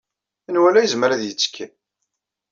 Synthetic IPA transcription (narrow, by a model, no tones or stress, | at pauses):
inwælæjəzməɾæðjət͡sːkʰːi